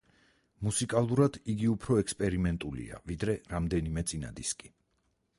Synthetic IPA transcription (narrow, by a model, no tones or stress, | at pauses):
musikʼalˠuɾad̪iɡiupʰɾɔɛkspʼɛɾimɛnt̪ʼulḭa̰vid̪ɾɛɾamd̪ɛnimɛt̪sʼina̰d̪iskʼi